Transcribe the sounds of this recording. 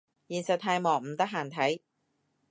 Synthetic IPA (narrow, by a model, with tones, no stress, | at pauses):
jiː˨nsɐ˨t̪ʰaː˧jmɔː˨˩ŋ̚m̩˨˩t̪ɐ˥k̚ɦaː˨nt̪ʰɐ˨˥j